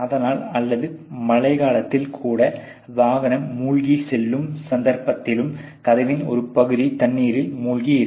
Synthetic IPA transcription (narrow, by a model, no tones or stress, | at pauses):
ɐðɐnaːlɐlːɐðɯmɐɭɐɪɣaːɭɐt̪ːɪlkʰuːɽɐ | ʋaːɣɐnɐmːuːɭɣisɛlːɯmsɐnd̪ɐɾpɐt̪ːɪlɯm | kɐðɐʋɪnɔ̰ɾɯpɐɣɯðit̪ɐnːiːɾɪlmuːɭɣiɪɾ